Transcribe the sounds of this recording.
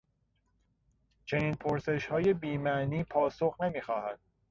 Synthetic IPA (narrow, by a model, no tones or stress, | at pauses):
t͡ʃʰe̞niːnpʰoɾse̞ʃhɒːje̞biːmæniːpʰɒːsoɣnemiːxɒːhæd̪̥̚